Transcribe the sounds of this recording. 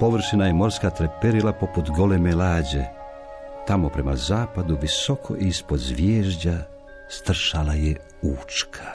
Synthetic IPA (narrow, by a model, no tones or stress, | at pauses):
po̞ʋr̩ʃinajemo̞ɾskat̪ɾepeɾilapo̞put̪ɡo̞lemelaːd͡ʑe | t̪amo̞pɾe̞mazaːpad̪uʋiso̞kʰo̰ʔispo̞zʋjeːʒd͡ʑa | st̪r̩ʃalaje | uːt͡ʃkʰḁ